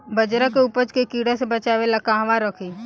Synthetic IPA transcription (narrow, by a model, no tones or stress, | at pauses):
bəd͡ʒɾakeupət͡ʃkekiːɽasebət͡ʃaːʋelakaːɦʋaɾəkʰi